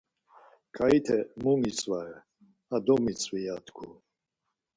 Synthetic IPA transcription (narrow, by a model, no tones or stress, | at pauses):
kʰʼait̪ʰɛmumit͡sʼvaɛ | ad̪ɔmit͡sʼvijat̪kʰu